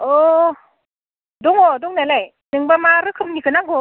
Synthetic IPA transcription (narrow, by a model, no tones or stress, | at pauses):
ɔ | dɔŋɔdɔŋnalaj | nɯŋbamaɾɯkʰɯmnikʰɯnaɡɔ